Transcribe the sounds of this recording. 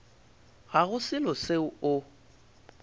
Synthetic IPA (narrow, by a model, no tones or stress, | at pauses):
ɣaɣʊsɪlɔseʊʊ